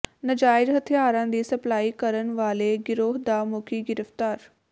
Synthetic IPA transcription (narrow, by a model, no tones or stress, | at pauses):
nɐd͡ʒaːɪɾɦɐt̪ʰjaːɾãːnd̪iːsɐplaːikɐɾən̆ʋaːleɡɪɾoːɦd̪amʊkʰiɡɪɾəft̪aːɾ